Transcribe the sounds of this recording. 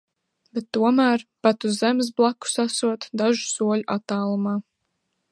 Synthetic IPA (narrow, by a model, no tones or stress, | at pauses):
bet̪ːuɔmæːɾpat̪uzzɛmɪs̬blˠakːu̥sasuɔt̪d̪aʒu̥suɔʎʲuʔat̪ːaːlˠumaː